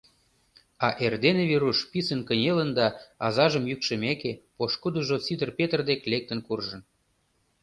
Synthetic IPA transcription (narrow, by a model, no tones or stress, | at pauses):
ɑʔerd̪eneβiɾuʃpisə̆nkənʲelə̆nd̪ɑɑzɑʒəmjykʃə̆mekepoʃkud̪uʒot͡sid̪ərpet̪ərd̪eklek̚t̪ə̆nkurʒə̆n